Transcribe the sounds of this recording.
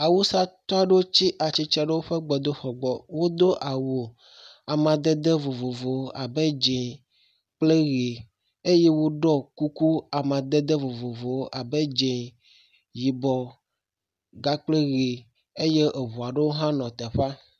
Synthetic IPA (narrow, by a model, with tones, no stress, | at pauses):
a˨wu˦sa˦t̪ɔ˦a˦ɖe˦wo˦t͡ɕi˦ʔa˨t͡ɕi˦t͡ʃɛ˦ɖe˦wo˦ɸe˦ɡ͡bɔ˨d̪o˦ɸɔ˨ɡ͡bɔ˨wo˦d̪o˦ʔa˨wo˨ | a˨mã˨d̪e˦d̪e˦vo˨vo˨vo˨wo˦ʔa˨be˦d͡ʒẽ˨ | k͡ple˦ɣe˨ | e˦je˦wo˦ɖɔ˦ku˦ku˦a˨mã˨d̪ɛ˦d̪e˦vo˨vo˨vo˨wo˦ʔa˨be˦d͡ʒẽ˨ | ji˨bɔ˨ | ɡa˦k͡ple˦ɣe˨ | e˦je˦ʔe˨βu˨a˨ɖe˦wo˦ɦã˦nɔ̃˨t̪ɛ˨ɸa˦